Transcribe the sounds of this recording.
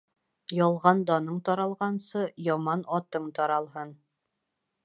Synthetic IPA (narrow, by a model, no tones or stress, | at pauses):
jɒlˠʁɑnd̪ɒnɤɴt̪ɒɾɑlˠʁɑnsɤjɒmɑnɒt̪ɤɴt̪ɒɾɑlˠɦɤn